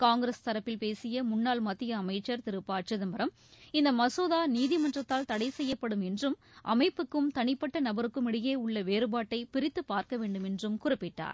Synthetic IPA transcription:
kaːŋɡɾɐst̪ɐɾɐpːɪlpeːsɪjɐmʊnːaːlmɐt̪ːɪjɐːmɐɪt͡ʃːɐɾt̪ɪɾɯpːaːʈ̚t͡ʃɐðɐmbɐɾɐm | ɪnd̪ɐmɐsoːðaːniːðɪmɐndrɐt̪ːaːlt̪ɐɽɐɪsɛjːɐpːɐɽɯmɛndrɯm | ʔɐ̰mɐɪpːɯkːɯmt̪ɐɳɪpːɐʈːɐnɐbɐɾɯkːɯmɪɽɪjeːʊɭːɐʋeːɾɯbaːʈːɐɪpɪɾɪt̪ːɯpːaːɾkɐʋeːɳɖɯmɛndrɯmkʊrɪpːɪʈːa̰ːɾ

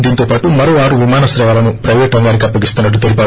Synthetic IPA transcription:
d̪iːnt̪oːpaːʈumɐɾoːʋaːɾuʋimaːnɐsɾɐʋaːlɐnupɾɐʋɛːʈɐŋɡaːnik̬iɐpːɐɡist̪unːɐʈ̬ːut̪e̞lipaː

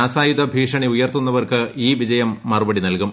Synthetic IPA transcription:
aːsaːjud̪ɐbʱiːʂɐɳiujɐrt̪unːɐʋɐrkɨiːʋid͡ʑɐjɐmːɐrubɐɽinɐlkum

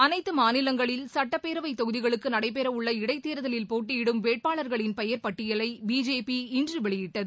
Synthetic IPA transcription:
ɐnɐɪt̪ːɯmaːnɪlɐŋɡɐɭɪlsɐʈːɐpːeːɾɐʋɐɪt̪ːɔɣɯðɪɣɐɭɯkːɯnɐɽɐɪp̬ɛɾɐʊɭːɐɪɽɐɪt̪ːeːɾɐðɐlɪlpoːʈ̬ːɪjɪɽɯmʋeːʈ̚paːɭɐɾɣɐɭɪnpɐjɐɾpɐʈːɪjɐlɐɪbiːd͡ʒeːpiɪndrɯʋɛɭɪjɪʈːɐðɯ

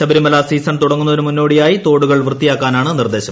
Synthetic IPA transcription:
ɕɐbɐɾimɐlaːsiːsɐɳt̪uɽɐŋːunːɐoumunːo̞ːɽijaːjit̪o̞ːɽuɣɐɭʋrɨt̪ːijaːkːaːnaːɳɨnird̪e̞ːɕɐm

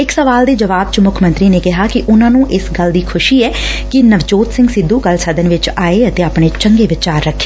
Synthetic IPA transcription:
ɪksəʋaːld̪eːd͡ʒəʋaːb̚t͡ʃmʊkʰmə̃nt̪ɾiːneːkɪɦaːkɪʔʊnãːnũːʔɪsɡəld̪iːkʰʊʃiːɛːkɪnəʋd͡ʒoːt̪sɪ̃ŋɡsɪd̪ːuːɡəlsəd̪ənʋɪt͡ʃaːeːət̪eːaːpɳ̃eːt͡ʃəŋɡeːʋɪt͡ʃaːɾːəkʰːe̥ː

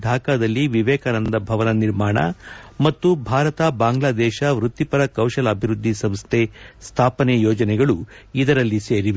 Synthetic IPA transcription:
d̪ʱaːkaːd̪ɐlːiʋiʋɛːkaːnɐnd̪ɐbʱɐʋɐnɐniɾmaːɳɐ̰mɐt̪ːubʱaːɾɐt̪abaːŋɡlaːd̪ɛːʃɐʋɾut̪ːipɐɾɐkɐwʃɐlɐɐbʱiɾud̪ʱːisɐmst̪ʰest̪ʰaːpɐnejoːd͡ʒɐnɛɡɐɭuid̪ɐɾɐlːiseːɾiʋe

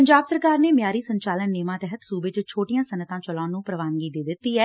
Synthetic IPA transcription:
əɲd͡ʒaːbsəɾkaːɾneːmjaːɾiːsəɲt͡ʃaːlənːeːmãːt̪ɛɦət̪suːbet͡ʃt͡ʃʰoːʈijãːsənət̪ãːt͡ʃəlɔːnũːpɾəʋaːnɡiːd̪eːd̪ɪt̪ːiːɛː

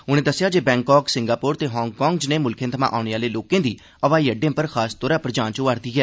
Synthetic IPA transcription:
ʊñẽːd̪əsːɪjaːd͡ʒeːbɛ̃ːŋkɔːksɪŋɡaːpoːɾt̪eːɦɔːŋɡkɔ̃ːŋɡd͡ʒneːmʊlkʰẽːt̪ʰəmã̰ːʔaːʊɽ̃eːaːleːloːkẽːd̪iː | əʋaːiːəɖẽːpəɾkʰaːst̪oːɾaːpɾəd͡ʒãːnt͡ʃːaːɾd̪iːɦɛː

